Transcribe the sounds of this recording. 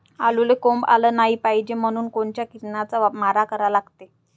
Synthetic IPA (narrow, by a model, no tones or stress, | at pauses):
alulekomba̰ləːnaɦiːpaɦid͡ʑem̤əɽ̃uːnkoɳt͡ɕjakiɾnat͡samaɾakəɾalaɡt̪e